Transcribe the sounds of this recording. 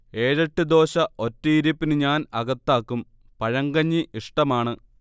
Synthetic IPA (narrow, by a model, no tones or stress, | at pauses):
e̞ːɻɐʈːɨd̪o̞ːɕɐʔo̞tːijiɾupːinɨɲaːnɐɣɐt̪ːaːkːum | pɐɻɐŋɡɐɲːiʔiʂʈɐmaːɳɨ